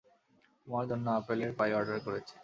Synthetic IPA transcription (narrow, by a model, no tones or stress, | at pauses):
mɔɾd̪ʱɔnːaapeleɾpajɔɾɖaɾkoɾet͡ɕʰe̥